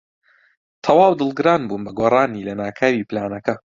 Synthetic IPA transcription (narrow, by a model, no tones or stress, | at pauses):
t̪ʰɐwaːwd̪ɨlˠɡɨɾaːnbuːnbɐɡorˤaːniːlɐnaːkʰaːɾiːplaːnɐkɐ